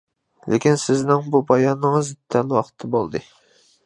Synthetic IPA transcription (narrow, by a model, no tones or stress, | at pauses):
lḛkʲinsɪznɪŋbubɑjɑnːɨŋɨzt̪ʰːɛnwɑqʰt̪ʰːɨbolˠd̪ɨ